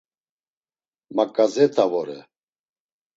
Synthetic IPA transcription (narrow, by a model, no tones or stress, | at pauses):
makʼazɛt̪ʰavɔɾɛ̰